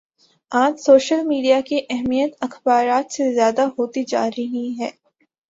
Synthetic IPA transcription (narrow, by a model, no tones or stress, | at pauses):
ãːt̪soːʃəlmiːɖijakiʔɛɦmijət̪ɐxbaːɾaːt̪sezjaːd̪aɦoːt̪id͡ʒa̰ːɾiɦĩɦɛː